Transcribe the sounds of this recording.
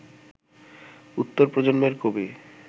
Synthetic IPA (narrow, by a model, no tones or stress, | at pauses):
ut̪ːoɾpɾod͡ʑonmeɾkobe